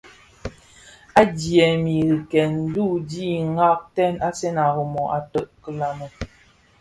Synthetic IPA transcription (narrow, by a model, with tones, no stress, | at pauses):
a˦djɛ˨mi˨ɣi˨kɛ˨n̩˦du˦˨di˦ŋa˦k̚tɛ˦˨na˦sɛ˦na˨ɣə˨mɔ˨ʔa˨tə˨ʔkə˨la˨nə˨